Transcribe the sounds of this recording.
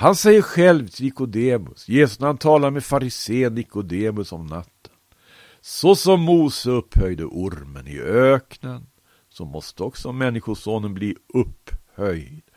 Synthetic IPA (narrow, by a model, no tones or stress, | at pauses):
hansɛjːəɾɧɛlvt̪ʰɪlɪkʊd̪eːmɵ̰sjeːsɵsnɾhant̪ʰɑːlaɾmɛfaɾɪseːənːɪkːʊd̪eːmɵsɔmnat̪ʰːə̥n | sɔsɔmːuːsəɵphœjd̪ə̰ʔʊɾmə̰nɪ̰øːknən | sɔmɔst̪əɔksɔmɛnːɪɧʊʂoːnənbliːʔɵpːhœjd̪̥